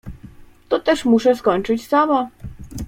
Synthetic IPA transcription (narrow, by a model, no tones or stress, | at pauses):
t̪ɔt̪ɛʂmuʂɛskɔɲt͡ʂɘt͡ɕsama